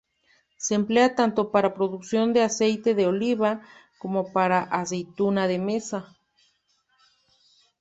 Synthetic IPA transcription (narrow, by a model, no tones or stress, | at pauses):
seːmpleat̪ant̪o̞paɾapɾo̞ðuksjo̞nd̪ease̞jt̪e̞ðeoliβakomo̞paɾaʔas̬e̞jt̪unaðemesa